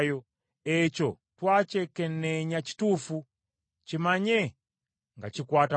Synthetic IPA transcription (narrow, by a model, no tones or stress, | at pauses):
jɔ | ɛt͡ʃɔ | twat͡ʃɛkɛnnːɛɲat͡ʃi̥tufu | t͡ʃimaɲɛ | ŋɡat͡ʃikwata